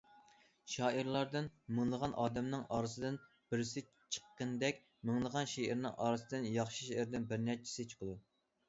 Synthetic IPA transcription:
ʃɑːiɾlˠɑɾd̪ɨnmɨŋlˠəʁɑnʔɑːd̪ɛmnɪŋɑːɾɨsɨd̪ɪn | b̥ɪɾɪsɪ | t͡ʃʰə̥qːənd̪ɛkʲ | mɪŋlˠəʁɑnʃeɪɾnɪ̰ŋʔɑːɾɨsɨd̪ɪnjɑχʃiʃeʔɪɾd̪ɪnbɪɾnæt͡ʃʰi̥sɪt͡ʃʰo̥qʰəd̪u

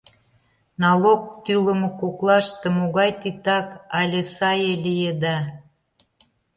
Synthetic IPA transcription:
nɑlok̚t̪ylə̆mɤ̆koklɑʃt̪ĕmoɣɑjt̪it̪ɑkɑlʲesɑjelʲijed̪ɑ

